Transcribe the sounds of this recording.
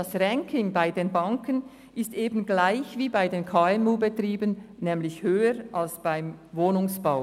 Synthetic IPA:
d̥asʁɛŋkʰɪŋbaɪdeːnbaŋkən | ɪstʔeːbən̩ɡlaɪçviːbaɪdeːnkʰaːɛmuːbətriːbənnɛːmlɪçhøːəɾʔalsb̥aɪmvoːnʊŋsb̥aʊ

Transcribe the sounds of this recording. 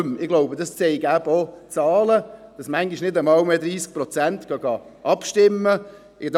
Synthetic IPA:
mɪɡ̥loʊbədɑst͡sɛɪɡæbot͡sɑːləd̥ɑsmæŋɡiʃnɪdəmɑwmɛdɾiːsk̚pɾɔt͡sæntɡ̥ɑɡɑʔɑpʃtɪmːə | ɪd

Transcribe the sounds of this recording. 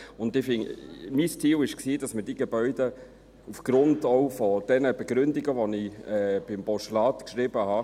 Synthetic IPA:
ʊndɪfɪŋmistʰiːwɪʃksiːd̥ɑsməd̥iːɡebœʏd̥ə | ufɡ̥ɾʊndɔʊfɔd̥ɛnəb̥eɡ̥ɾʏndiɡəʋoniɛb̥ɪmb̥ɔʃlɑːtkʃɾɪb̥əhɑ

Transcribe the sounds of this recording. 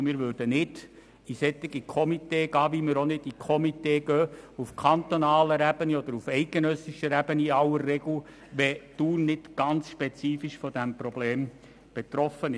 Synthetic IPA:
mɪːɾʋøːɾd̥ənɪd | isɛt̪ːiɡikʰɔmit̪eːɡ̥ɑːʋimɪɾonɪd̥ikʰɔmit̪eːɡœːufkʰɑnt̪onɑːləɾɛb̥əniɔd̥̪əɾufɛɪt̚ɡ̥enœsɪʃəɾɛæb̥əniɑləɾːɛɡ̥l̩ | ʋɛtuːrnɪdɡ̥ɑnt͡sʃpet͡siːfiʃfɔd̥æmpɾɔb̥leːm | b̥et̪ɾɔfənɪ

